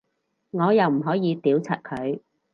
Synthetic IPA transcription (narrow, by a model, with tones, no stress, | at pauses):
ŋɔː˨˧jɐ˨wm̩˨˩ɦɔː˨˥jiː˨˧t̪iː˨˥wt͡sʰɐ̰˨t̚kʰɵ˨˧ɥ